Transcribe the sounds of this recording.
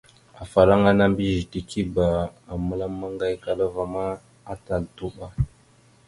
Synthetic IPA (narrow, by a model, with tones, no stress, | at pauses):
a˨fa˨ɾa˦ŋa˦na˦mbi˦ʒi˨ti˨ki˦ba˨a˨mə˦la˦mːa˦ŋɡa˦jka˨la˦va˨ma˦ | a˦ta˨ltu˦ɓa˦